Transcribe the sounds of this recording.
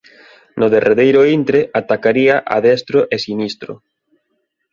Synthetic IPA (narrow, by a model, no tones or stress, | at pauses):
nʊðerʔeðejɾʊint̪ɾeʔat̪akaɾiaʔa̰ðɛst̪ɾoʔesinist̪ɾʊ̰